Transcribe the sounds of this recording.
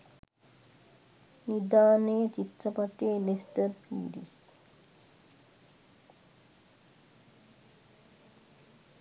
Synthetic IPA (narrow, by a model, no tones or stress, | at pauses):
nid̪aːnəjət͡ʃit̪ɾəpaʈelesʈəɾpiːɖḭs